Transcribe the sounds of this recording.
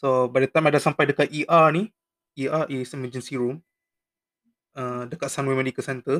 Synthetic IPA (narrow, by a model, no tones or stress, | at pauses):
sobaʔdat̪ajmadasampajdəkat̪̚iʔani | ʔiʔaʔisiməd͡ʒənsiɹum | ədəkat̪̚sanwɛmə̃ndikəsɛnt̪ə